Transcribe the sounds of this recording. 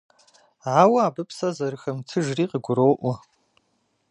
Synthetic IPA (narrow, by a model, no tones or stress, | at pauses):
ʕawɐaːbɨpʰsɐzɐrɨxɐmtʰɨʒriːqəɡʷʊɾoːʔʷɐ